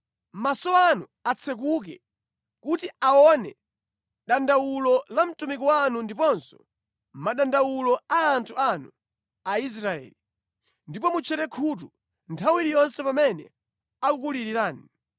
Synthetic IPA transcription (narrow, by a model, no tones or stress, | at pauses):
masɔanu | at͡sʰɛk̬uk̬ɛ̰ | kutiaɔnɛ̰ | ɗandawulɔlam̩tumik̬ɔwanundipɔnsɔ̥ | maɗandawulɔaːntʰuanu | ais̬ɾaɛ̰ːli | ndip̬ɔmut͡ʃʰɛɾɛkʰut̬u | ntʰawiɾijɔnsɛpamɛnɛ̰ | akukuliɾiɾaːni